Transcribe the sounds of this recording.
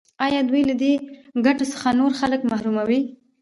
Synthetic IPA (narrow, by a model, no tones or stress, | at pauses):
ɑjɑd̪wujlad̪eɡaʈosə̥xanoɾxaləkmahɾumawi